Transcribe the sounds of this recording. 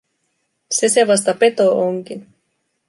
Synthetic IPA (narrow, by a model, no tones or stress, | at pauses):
seseʋɑs̬t̪ɑpe̞t̪oʔoŋkin